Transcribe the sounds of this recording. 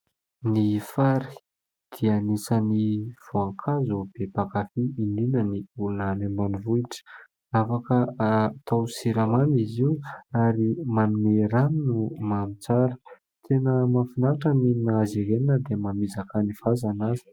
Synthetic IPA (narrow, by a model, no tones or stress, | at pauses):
nifaɾi̥ | d̪̥ianisaniv̥oaŋkʰazub̥epakafiininəniulunanembanivuiʈ͡ʂə̥ | afakəat̪ʰawsiɾamaniziuaɾimanumeɾaninumanit͡saɾə̥ | t̪ʰenəmafinaʈ͡ʂəninnazeɾeninəd̪emamizakanifazanazi̥